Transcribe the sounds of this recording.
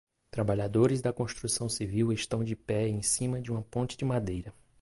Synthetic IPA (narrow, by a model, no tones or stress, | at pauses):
t̪ɾabaʎad̪oɾɪzd̪ɐkõst̪ɾusɐ̃w̃siviweʃt̪ɐ̃w̃d͡ʒɪpɛẽsĩmɐd͡ʒɪũmɐpõnt͡ʃɪd͡ʒɪmad̪ejɾɐ